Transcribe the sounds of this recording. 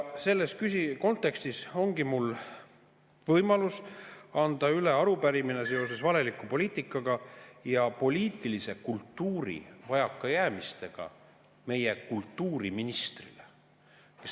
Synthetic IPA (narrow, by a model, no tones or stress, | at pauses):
se̞lːe̞st̪̚kysiko̞nt̪ːˑe̞kst̪iso̞ŋɡ̥imul | vɤjmɑlusɑnd̪̥ɑyle̞ɑɾupæɾimine̞se̞o̞se̞svɑle̞likːˑupo̞liːt̪ˑikːˑɑɡɑjɑpo̞lʲiːt̪ːˑilise̞kult̪ːuːɾḭvɑjɑkːˑɑjæːmist̪e̞ɡ̥ɑ̰ | me̞je̞kult̪ːuːɾiminist̪rḭlḛ | ke